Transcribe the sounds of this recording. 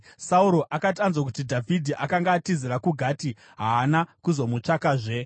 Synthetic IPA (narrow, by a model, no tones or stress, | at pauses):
sauɾo̞ʔakatanzwak̬utidʱavʱidʱiʔakaŋɡaːtiziɾakuɡʱati | ɦaːnakuzo̞mut͡ʂakaːʐe